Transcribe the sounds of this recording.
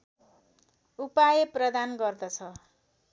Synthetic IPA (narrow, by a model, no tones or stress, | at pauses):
upajʌprʌd̪anɡʌrd̪ʌt͡sʰʌ